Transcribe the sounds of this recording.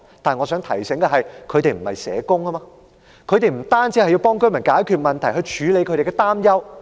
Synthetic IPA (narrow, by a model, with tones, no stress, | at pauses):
t̪aː˨˩nŋɔ˨˧sœː˨˥ŋt̪ʰɐ˨˩jsɪ˨˥ŋkɐ˧ɦɐ˨jkʰɵ˨˧t̪e˨˧jm̩˨˩hɐ̰˨jsɛ̰ː˨˧kʊ˥ŋa˥maː˧ | kʰɵ˨˧ɥt̪e˨jm̩˨˩t̪aː˥nt͡siː˧˥hɐ˨jːi˧wpɔː˥ŋkɵ˥mɐ˨˩nkaː˨˥jkʰyː˨˧t̚mɐ˨nt̪ʰɐ˨˩jɦɵ˧ɥt͡ʃʰyː˨˧˥le˨˧jkʰɵ˨˧˥ɾe˨˩kɛ˧t̪aː˥mjɐ˥w